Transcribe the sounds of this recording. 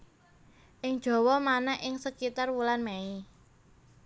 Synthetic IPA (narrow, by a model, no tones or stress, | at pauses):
ʔɪŋd̥ʒ̥ɔ̤wɔmanɛʔɪŋsəkit̪arwulanmɛi